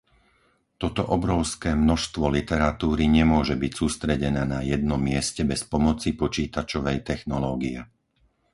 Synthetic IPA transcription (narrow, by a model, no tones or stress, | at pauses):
t̪ɔt̪ɔʔɔbɾɔʊskɛːmnɔʃst̪ʋɔlit̪ɛɾat̪uːɾiɲɛmʊɔʒɛbicsuːst̪ɾɛɟɛnɛːnajɛd̪nɔmːɪɛscɛbɛspɔmɔt͡sipɔt͡ʃiːt̪at͡ʃɔʋɛjt̪ɛxnɔlɔːɡiɛ